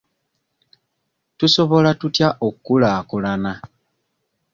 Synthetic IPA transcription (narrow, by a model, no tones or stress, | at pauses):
tuso̞βo̞latutjaʔokːulaːkulana